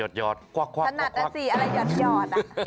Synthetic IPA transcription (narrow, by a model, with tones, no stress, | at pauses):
o˨˩t̪̚jɔː˨˩t̪̚kwa˧˩kʰwa˧a˧na˨˩t̪k̚a˧˩siː˨˩ʔa˧ɾa˧jːɔː˨˩t̪̚jɔː˧˩t̪̚